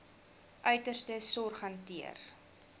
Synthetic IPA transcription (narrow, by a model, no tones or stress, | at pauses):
ʔœɥtərstəsɔrχɐntiə̰r